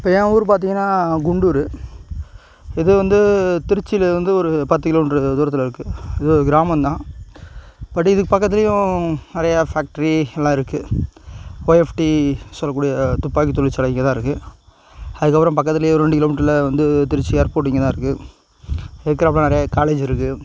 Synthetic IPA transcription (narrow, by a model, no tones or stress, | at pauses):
ɪpːɐːjẽːuːɾɯpaːɾt̪iːŋɡɐnːaːɡʊɳɖuːɾɯ | ɪðɯʋɐnd̪ɯt̪ɪɾɪt͡ʃːɪlɐʋɐnd̪ɯɔɾɯpɐt̪ːɯkɪloːmɪʈɾɯd̪uːɾɐt̪ːɪlɪɾɯkːɯɪðɯɔɾɯɡɪɾaːmɐnt̪ãː | pɐʈːɪðɯkːɯpɐkːɐt̪ːɪlɐjʊ̃nɪɾɐjɐfaːk̚ʈɐɾiɛlːãːɪɾɯkːɯ | oːɛfʈisɔlːɐkːuːɽijɐt̪ʊpːaːkit̪ɔɭːɪt͡ʃːɐlɐɪːŋɡɐt̪ãːɪɾɯkːɯ | ɐðɯkːɐpɯɾɐ̃mpɐkːɐt̪ːɪlɐjʊ̃ɾɛɳɖɯkɪloːmiːʈːɾɪlʋɐnd̪ɯt̪ɪɾɪt͡ʃːieːɾpoːʈniːŋɡɐt̪ãːɪɾɯkːɯ | eːɯkːɾɐpɾɐ̃nɐɪɾɐjakaːleːd͡ʒɪɾɯkːɯ